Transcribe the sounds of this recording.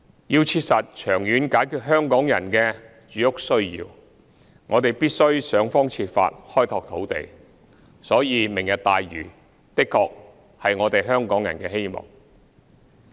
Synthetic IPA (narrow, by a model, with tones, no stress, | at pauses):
jiː˧wt͡sʰiː˧t̚sɐ˨t̚t͡ʃʰœː˨˩ŋjyː˨˧nkaː˨˥jkʰyː˧t̚ɦœː˥ŋkɔː˨˥ŋjɐ̰˨˩nkɛː˧ | t͡ʃyː˨˥jʊ˥k̚sɵ˥ɥjḭː˧w | ŋʔɔː˨˧t̪e˨jpiː˥t̚sɵ˥ɥsœː˨˧ŋfɔː˥ŋt͡sʰiː˧t̚fa̰ː˧t̚hɔː˥jt̪ʰɔː˧k̚t̪ʰo˨˥wt̪ḛ˨j | sɔː˨˥jiː˨˧mɪ˨˩ŋjɐ˨t̚t̪aː˨jɥyː˨˩ | t̪ɪ˥kʰːɔː˧k̚ | hɐ˨jŋɔː˨˧t̪e˨jɦœː˥ŋkɔː˨˥ŋjɐ˨˩nkɛː˧he˥jmɔ̰˨˩ŋ